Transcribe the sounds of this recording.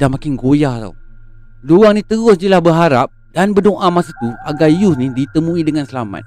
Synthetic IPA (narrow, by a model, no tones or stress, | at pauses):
dahmakɪnɡojaht̪a̰w | dowaŋnit̪əɣʊsd͡ʒəlahbəɦaɾap̚ | danbədoŋʔamasat̪uaɡaijʊsnidit̪əmuidəŋansəlama̰t̪̚